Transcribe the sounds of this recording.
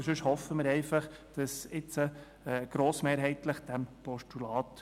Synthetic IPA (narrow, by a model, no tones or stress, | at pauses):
ʃʏʃhɔfəmɪɾɛɪfɑχd̥ɑsɪt͡sə | ɛːɡ̥ɾoːsmeːɾɦɛɪtləχd̥æmpɔʃtulɑːt